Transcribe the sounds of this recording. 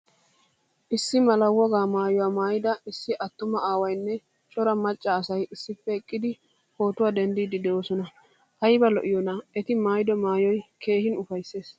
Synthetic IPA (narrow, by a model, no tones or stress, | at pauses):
ʔɪsːɪmɐlɐwɔɡaːmaːjʊwaːmaːjɪd̪ɐɪsːɪʔɐt̪ːʊmɐaːwɐjnːɛ | t͡ʃʼɔɾɐmɐt͡ʃʼːɐːsɐjɪsːɪpːɛɛkʼːɪd̪ɪ | ho̞ːt̪ʊwad̪ɛnd̪iːd̪ɪd̪ɛoːsɔnɐ | hɐjbɐlɔ̰ʔɪjɔnɐʔɛt̪ɪmaːjd̪ɔmaːjɔjkʰe̞ːhɪnʊfɐjsːe̞ːs